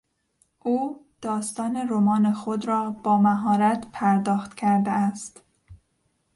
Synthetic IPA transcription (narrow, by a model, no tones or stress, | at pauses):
ʔuːd̪̥ɒːst̪ɒːneɾomɒːnexod̪ɾɒːb̥ɒːmæɦɒːɾæt̪pʰæɾd̪ɒːxt̪cʲʰæɾd̪eæst̪